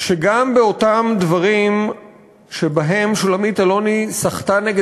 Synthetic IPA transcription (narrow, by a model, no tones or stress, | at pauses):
ʃeɡambe̞o̞tamd̪vaʁim | ʃe̞baɦe̞mʃulamit̪alo̞nisaχtaneɡe